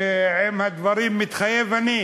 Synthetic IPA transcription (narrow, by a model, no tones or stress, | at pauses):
ɛmhad̪vɑɾimːɪt̪χajevani